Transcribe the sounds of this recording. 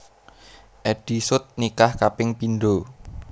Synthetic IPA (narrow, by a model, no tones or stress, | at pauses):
ʔɛɖ̥i̤sʊt̪̚nikahkapɪŋpinɖo